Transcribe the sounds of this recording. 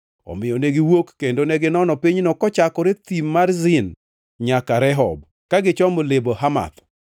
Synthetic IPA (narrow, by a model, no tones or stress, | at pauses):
ɔ̰mɪjɔneɡɪwokːendonɛɡɪnɔnɔpiɲnɔkɔt͡ʃakɔɾet̪imːarzɪn | ɲakaɾɛɦɔb | kaɡɪt͡ʃɔmolebohama̰t̪